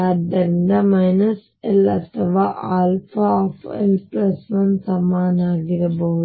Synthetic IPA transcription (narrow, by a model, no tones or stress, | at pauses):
ɐd̪ɐnɖɐmɐjnɐs | elɐt̪ʰɐʋaʔaːlfɐoːfḛlpɾɐsmɐnsɐmaːnaːɡiɾɐboː